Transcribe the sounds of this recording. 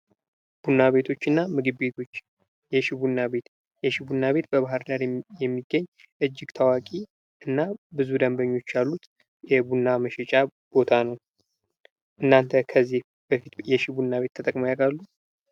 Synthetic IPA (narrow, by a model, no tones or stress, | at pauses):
b̥unːaβe̞t̪ʰo̞t͡ʃːɨnːamɨɡɨbbe̞t̪ʰo̞t͡ʃː | jɛʃibunːaβe̞t̪ | jɛʃibunːaβe̞t̪bəβahɨɾd̪aɾjɛmːiɡːəɲː | ʔɨd͡ʒːɪɡt̪ʰawakʼi | ɨnːabɨzud̪əmbəɲːo̞t͡ʃːjalːut̪ | jɛbunːaməʃɛt͡ʃʼab̥o̞t̪ʰanəw | ʔɨnːant̪ʰəkʰəzːih | bəfit̪jɛʃibunːaβe̞t̪ʰːət̪ʼəkʼməjakalːu